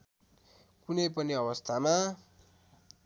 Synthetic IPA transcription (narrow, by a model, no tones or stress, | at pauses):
kunʌjpʌniʌβʌst̪ʰama